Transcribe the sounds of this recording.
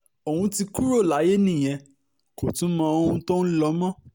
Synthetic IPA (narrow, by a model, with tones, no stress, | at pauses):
o˨wũ˧ti˧ku˦ɾo˦˨la˨˦je˦nĩ˦˨j̃ɛ̃˧ | ko˨tũ˦mã˧o˧hũ˧tõ˦n̩˦lɔ˧˦mɔ̃˦